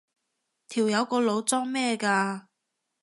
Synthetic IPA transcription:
t̪ʰiː˨˩wjɐ˨˧wkɔː˧lo˨˧wt͡sɔː˥ŋmɛː˥˧kaː˧

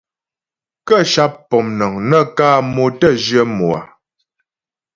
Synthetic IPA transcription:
kə˦˨ʃa˦p̚ːɔ˨mnɔ˨ŋnə˦kaː˦˨mo˨tə˦˨d͡ʒɥə˦mo˨a̰˨

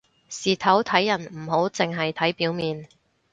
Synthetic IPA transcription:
siː˨t̪ʰɐ˨˥wt̪ʰɐ˨˥jːɐ˨˩nm̩˨˩ɦo˨˥wt͡sɪ˨ŋɦɐ˨jt̪ʰɐ˨˥jpiː˨˥wmiː˨n

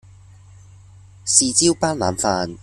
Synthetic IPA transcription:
siː˨t͡siː˥wpaː˥nla̰ː˨˧mfaː˧n

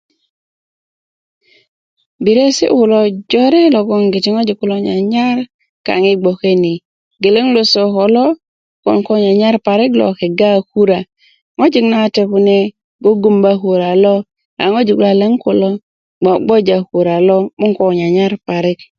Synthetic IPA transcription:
bi˨ɾe˦sḭ˦ʔu˨lɔ˦d͡ʒɔ˦ɾe˦lɔ˨ɡɔ˦ŋɡi˨ti˦ŋo˦d͡ʒi˨ku˦lo˦ɲa˨ɲa˦ɾ | ka̰˨ŋi˦ɡ͡bo˨ke˦ni˨ | ɡe˨le˦ŋlo˦so˨kɔ˨lɔ˦ | kɔ̰˨nkɔ˦ɲa˨ɲa˦ɾpa˨ɾi˦klɔ̰˨ke˨ɡa˦ku˦ɾa˨ | ŋo˦d͡ʒi˦kna˦te˨ku˨ne˦ | ɡo˦ɡu˦mba˦ku˨ɾa˨lɔ˦ | a̰˨ŋo˦d͡ʒi˨kla˨le˦ŋku˨lɔ˦ | ɡ͡ba˨ɡ͡bo˦d͡ʒa˨ku˨ɾa˨lɔ˦mu˦ŋkɔ˨ɲa˨ɲa˦ɾpa˨ɾɪ˦k̚

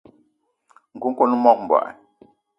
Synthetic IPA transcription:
ŋ̩˨ku˦ŋ̩˦ko˦n˦mɔ˦k̚m̩˨bwa̰˨ʔa̰˨

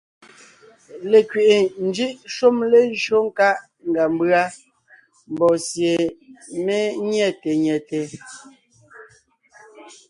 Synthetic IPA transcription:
le˨kɥe˨ʔe˨n̩˦d͡ʒi˦ʔʃo˦mle˦n˦ʃo˦ŋ˦ka˦ʔ | ŋ˨ɡa˨m˦bɰa˦ | m˨bɔ˨sje˨me˦ɲɛ˦˨te˨ɲɛ˨te˨

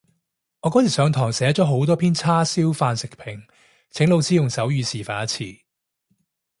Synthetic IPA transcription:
ŋɔː˨˧kɔː˨˥t͡sʰiː˨˩sœː˨˧ŋt̪ʰɔː˨˩ŋsɛː˨˧˥ɐ˥t̚t͡ʃɔː˨˥ɦo˨˥wt̪ɔː˥pʰiː˥nt͡sʰaː˥siː˥wfaː˧nsɪ˨k̚pʰɪ˨˩ŋ | t͡sʰɪ˨˥ŋlo˧wt͡siː˨˥jʊ˨ŋsɐ˨˥wjyː˨˧siː˨˩faː˨˧nɐ˦˥t͡sʰiː˨˩

